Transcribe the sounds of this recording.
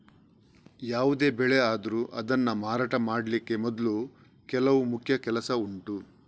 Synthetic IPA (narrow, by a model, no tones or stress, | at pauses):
jaːʋud̪e̞ːbɛɭe̞aːd̪ɐɾuʔɐd̪ɐnːɐmaːɾaːʈɐmaːɽlikːe̞mɔd̪lu | kɛlɐʋumukʰjɐkɛlɐsɐuɳʈu